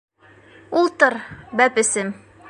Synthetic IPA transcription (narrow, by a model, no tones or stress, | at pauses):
ulˠt̪ɤɾbæpɘ̆sɘm